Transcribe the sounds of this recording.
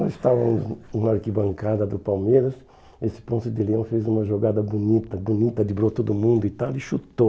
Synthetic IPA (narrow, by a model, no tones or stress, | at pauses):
ɪst̪avɐmʊzũɐaɾkibɐ̃ŋkad̪ɐd̪ʊpawmeɾɐs | esɪ̥põsʊd̪ɪliɐ̃w̃fezũmɐʒoɡad̪ɐbunit̪ɐbunit̪ɐd̪ɪbɾot̪od̪ʊmũnd̪ʊit̪awɪʃut̪o